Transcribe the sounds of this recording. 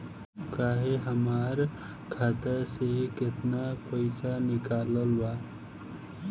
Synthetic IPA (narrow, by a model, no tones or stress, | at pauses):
kaːɦeɦəmaːɾ | kʰaːt̪asekɪt̪napəɪsanɪkaːləlwaː